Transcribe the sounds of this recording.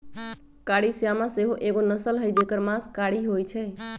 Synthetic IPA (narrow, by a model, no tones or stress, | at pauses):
kaɽisjamãseɦoʔeɡonəsəlɦəjd͡ʒekəɾmãskaɽiɦojt͡ʃʰəj